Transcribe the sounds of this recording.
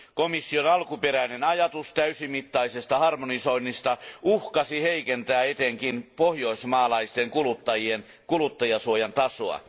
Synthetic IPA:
komisːionɑlkupeɾæinenɑjɑt̪ust̪æysimit̪ːɑisest̪ɑhɑrmonisoinːist̪ɑuhkɑsiheikent̪æːet̪eŋkinpohjoismɑːlɑist̪eŋkulut̪ːɑjien | kulut̪ːɑjɑsuojɑnt̪ɑsoɑ̰

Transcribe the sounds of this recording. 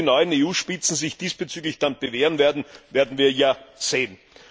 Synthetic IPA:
inɔʏəneːuːʃpɪt͡sn̩zɪçd̥iːsb̥ət͡syːɡlɪçd̥anb̥əveːʁənveɐdn̩veːɐdn̩viːɐjaːz̥eːn

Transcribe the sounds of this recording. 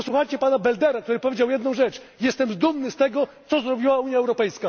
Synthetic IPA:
pɔswuxajt͡ɕɛpanabɛld̪ɛɾak̚t̪uɾɘpɔvʲed͡ʑawjɛd̪nɔ̃w̃ʐɛt͡ʂ | jɛst̪ɛmzd̪umnɘst̪ɛɡɔt̪sɔzɾɔbʲiwauɲjaɛwɾɔpɛjska

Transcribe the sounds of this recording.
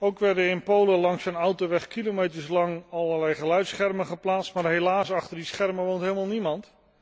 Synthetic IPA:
owkʋɛɹdəɪnpowləlɑŋsənɔwtoʋɛχkilomejtəɹslɑŋɑlˠəlɛjχəlœɥtsχɛrmənχəplaːtstmaːɹɦelaːsɑχtəɹdisχɛrməʋowntɦeːlˠmaːlˠnimɑnt

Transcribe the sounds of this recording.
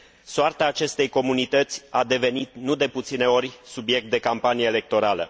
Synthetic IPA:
soart̪aːt͡ʃe̞st̪ejko̞munit̪ət̪sʲad̪e̞ve̞nit̪nud̪e̞put̪sine̞o̞rʲsubije̞k̚t̪̚d̪e̞kampanijeːle̞k̚t̪o̞ɾalə̰

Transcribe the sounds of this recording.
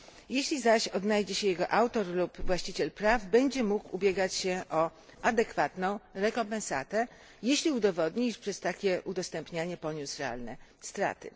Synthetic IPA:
jeɕlʲizaɕɔd̪najd͡ʑɛɕɛjɛɡɔʔawt̪ɔɾlupvwaɕt͡ɕit͡ɕɛlpɾavbɛɲd͡ʑɛmukubʲjɛɡat͡ɕɕɛʔɔ | ad̪ɛkfat̪nɔ̃w̃ɾɛkɔmpɛ̃nsa̰t̪ɛ | jeɕlʲiud̪ɔvɔd̪ɲiiʂpʂɛst̪akʲɛʔud̪ɔst̪ɛmpɲaɲɛpɔɲusɾɛa̰lnɛst̪ɾa̰t̪ɘ̰

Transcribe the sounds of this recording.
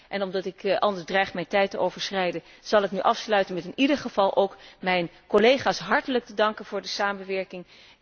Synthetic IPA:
ʔɛnɔmdɑtɪkʔɑlˠdəɹzdrɛjχmɛjntɛjtəowv̥əɹsrɛjdən | z̥ɑlˠɪknyʔɑfslœɥtənmɛtɪnidəɹχəv̥ɑlˠʔowkmɛjn | kolejχaːsɦɑɹtələk̚tədɑŋkənv̥ʊːɹdəsaːmənʋɛɹkɪŋ

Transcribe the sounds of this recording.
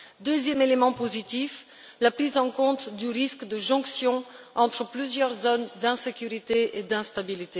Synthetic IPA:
d̪øzjɛmelemɑ̃pozit̪if | lapχizɑ̃kɔ̃t̪d̪yʁiskd̪əʒɔ̃ksjɔ̃ | ɑ̃t̪χəplyzjœʁzɔnd̪ɛ̃sekʲyʁit̪eed̪ɛ̃st̪abilit̪e

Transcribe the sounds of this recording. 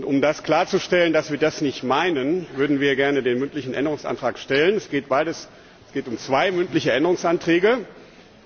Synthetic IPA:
ʔʊntʊmdaskl̥aːɐt͡suʃtɛləndasv̥iːɐdasnɪçtmaɪnənvʏɐdn̩viːɐɡɛɐnədeːnmʏntlɪçn̩ʔɛ̰ndəʁʊŋsʔa̰ntʁ̥aːkʃtɛlənɛsɡ̥eːt̚b̥aɪdəs | sɡ̥eːtʊmt͡sv̥aɪmʏntlɪçəʔɛndəʁʊŋsʔantʁ̥ɛːɡə

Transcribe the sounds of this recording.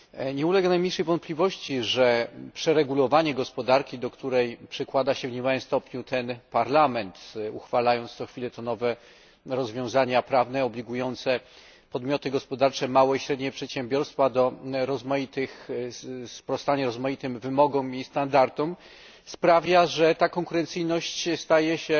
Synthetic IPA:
ɲɛulɛɡanajmɲejʂɛjvɔnt̪̚plʲivɔɕt͡ɕiʐɛpʂɛɾɛɡulɔvaɲɛɡɔspɔd̪aɾkʲid̪ɔkt̪uɾɛjpʂɛkwad̪aɕɛvɲemawɘmst̪ɔpɲut̪ɛnpaɾlamɛnt̪uxfalajɔnt̪st̪ɔxfʲilɛt̪ɔnɔvɛ | ɾɔzvʲjɔ̃w̃zaɲapɾavnɛɔblʲiɡujɔnt̪sɛ | pɔd̪mʲjɔt̪ɘɡɔspɔd̪aɾt͡ʂɛmawɔiɕɾɛd̪ɲɛpʂɛt̪ɕɛmbʲjɔɾst̪fad̪ɔɾɔzmajit̪ɘx | spɾɔst̪aɲaɾɔzmajit̪ɘmvɘmɔɡɔmist̪and̪aɾt̪ɔm | spɾavʲjaʐɛt̪akɔŋkuɾɛnt̪sɘjnɔɕt͡ɕst̪ajɛɕɛ

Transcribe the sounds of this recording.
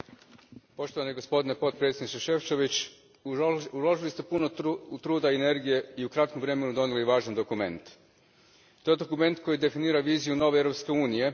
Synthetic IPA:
po̞ʃt̪o̞ʋanojeɡo̞spod̪inepo̞t̪̚pɾet̪sʲed̪nit͡ʃ̪eʃeft͡ʃe̞ʋit͡ʃ | ulˠoʒilist̪e̞punout̪ɾuːd̪aene̞ɾɡije̞iukɾat̪komʋɾe̞me̞nud̪o̞niliʋaːʒand̪o̞kume̞̰nt̪ | t̪o̞jed̪o̞kume̞nt̪ko̞jid̪e̞finiːɾaʋiːzijuno̞ʋeevɾo̞pske̞uːnije̞

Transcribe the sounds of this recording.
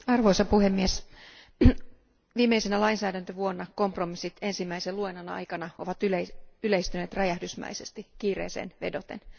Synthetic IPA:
ɑrʋo̞isɑpuhemːies | ʋiːmːe̞isenælɑinsæːdænt̪øʋuo̞nːɑko̞mpro̞misːit̪e̞nsimːæiseluenɑnɑ̰jkɑnɑo̞̰ʋɑt̪yleyleist̪yneːt̪rɑjæhdysmæ̰ise̞st̪ikiːrḛːsḛːnʋe̞̰do̞t̪en

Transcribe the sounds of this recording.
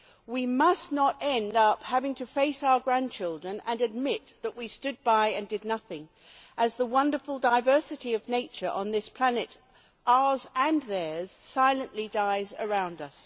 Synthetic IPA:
wimʌsnəɾɛ̃ndʌphævɪ̃ŋtʰɨfeɪsaʊə˞ɡɹæ̃nt͡ʃʰɪlˠdɹɨ̃nɨ̃nɨd̚mɪt̪̚ðəʔwistʊd̚baɪɨ̃ndɨdⁿnʌθɪ̃ŋ | ʔɨzðəwʌ̃ndə˞fl̩ˠdaɪvɜ˞sɨɾiʌvneɪt͡ʃə˞ʔə̃nðɪspʰl̥ænɨɾ | ʔəzɨ̃nðə˞z̥saɪlˠɨ̃nʔlidaɪzə˞ãʊ̃ndʌs

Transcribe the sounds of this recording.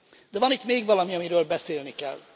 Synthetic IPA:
d̪ɛvɒnit̪meːɡʋɒlɒmiɒmiɾøːlbɛseːlnikɛ̰lː

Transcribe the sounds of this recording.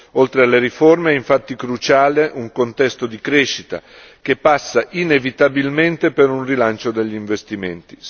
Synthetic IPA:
olt̪ɾealːeɾiformeɛiɱfat̪ːikɾut͡ʃaːleʔuŋkont̪ɛst̪od̪ikɾeʃːit̪a̰ | k̟epːasːaʔinevit̪abilment̪epeɾunrilant͡ʃod̪eʎːiɱvest̪iment̪i̥

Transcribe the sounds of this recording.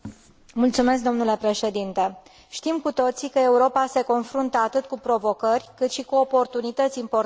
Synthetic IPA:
mult̪sume̞s̬k̚d̪o̞mnule̞pɾe̞ʃe̞d̪int̪e̞ | ʃt̪imkut̪o̞t̪sikəe̞uɾo̞pase̞ko̞nfɾunt̪əat̪ɨt̪kupɾo̞vo̞kərʲkɨt̪ʃikuo̞po̞rt̪unit̪ət̪sʲimpo

